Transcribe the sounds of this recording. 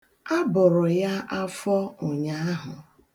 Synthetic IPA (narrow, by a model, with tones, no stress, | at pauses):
a˦bʊ˨ɾʊ˨ja˦ʔa˦fɔ˦ʊ˨ɲa˦a˦ɦʊ˨